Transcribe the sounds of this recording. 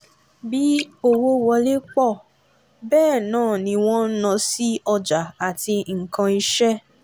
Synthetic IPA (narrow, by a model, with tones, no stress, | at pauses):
bi˨˦o˦wo˦wɔ˧le˦k͡pɔ˦˨ | bɛː˦˨nãː˦˨nĩ˧w̃ɔ̃˦n̩˦nã˧si˦ɔ˧d͡ʒa˨a˨ti˧ŋ̩˨kã˧i˧ʃɛ˦